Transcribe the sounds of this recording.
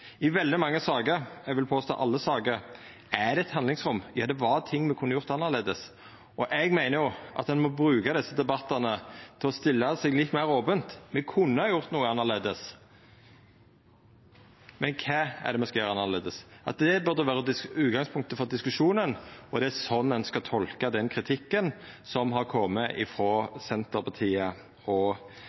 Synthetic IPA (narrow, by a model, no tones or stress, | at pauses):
ɪʋɛld̪ɪmɑŋːəsɑːɡəɾɛɡʋɪlpʰoːst̪o̰ːʔɑlːəsɑːɡəɾ | æd̪ɛɛt̪hɑnlɪŋsʁʊmjɑːd̪ɛʋɑɾt̪ʰɪŋːmɛkʰʊnːəjʊɾt̪ɑnːəʁleːd̪əs | ʔɔʔɛɡmæɪnəɾjʊʔɑ̰t̪̚d̪ɛnmɔbɾʉːkɑd̪ɛsːəd̪ɛbɑt̪ːɑnət̪ʰɪlɔst̪ɪlːɑsɛɡlɪt̪ːmæɪɾoːbənt̪mɛkʰʊnːəhɑːjʊɾt̪nuːəɑnːəʁleːd̪əs | mɛnkʰɑːæ̰ʁd̪ɛmɛnskɑjøːɾəɑnːɑʁleːd̪əsʔɑ̰t̪̚d̪ɛbœɾd̪əʋæːʁəd̪ɪʉːt̪ɡɑŋspʰʊŋk̚t̪əfɔɾd̪ɪskʉʂuːnənɔd̪ɛæɾsɔnːɛnskɑt̪ʰɔlkɑd̪ɛnkʰɾɪt̪ʰɪkːən | sɔmɦɑɾkʰɔmːəʔɪ̰fɾɔːsɛnt̪əɾpʰɑt̪ʰiːə | ɔ